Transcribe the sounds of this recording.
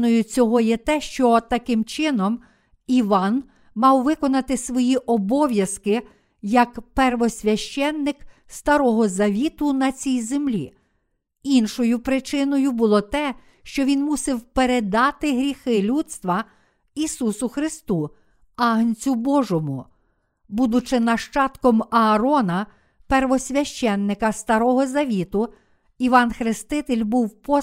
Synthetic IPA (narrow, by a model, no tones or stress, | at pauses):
nɔjʊt͡sʲɔɦɔjɛt̪ɛʃt͡ʃɔt̪ɐkɪmt͡ʃɪnɔm | iʋɑn | mɑwʋɪkɔnɐt̪ɪsʋɔjiʔɔbɔʋʲjɐskɪ | jɐkpɛrʋɔsʲʋʲɐʃt͡ʃɛnːɪkst̪ɐɾɔɦɔzɐʋʲit̪ʊnɐt͡sʲijzemlʲḭ | inʃɔjʊpɾɪt͡ʃɪnɔjʊbʊlˠɔt̪ɛ | ʃt͡ʃɔʋʲinmusɪwpeɾed̪ɑt̪ɪɦɾʲixɪlʲut̪st̪ʋɐ | isusʊxɾɪst̪u | ɑɦnʲt͡sʲʊbɔʒɔmʊ | bud̪ʊt͡ʃɪnɐʃt͡ʃɑt̪kɔmɐːɾɔnɐ | pɛrʋɔsʲʋʲɐʃt͡ʃɛnːɪkɐst̪ɐɾɔɦɔzɐʋʲit̪ʊ | iʋɑnxɾɪst̪ɪt̪elʲbuwpɔ